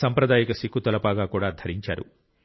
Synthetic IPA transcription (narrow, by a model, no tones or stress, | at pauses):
sɐmpɾɐd̪aːjikɐsikːut̪ɐlɐpaːɡaːkuːɽaːd̪ʱɐɾiɲt͡ʃa̰ːɾṵ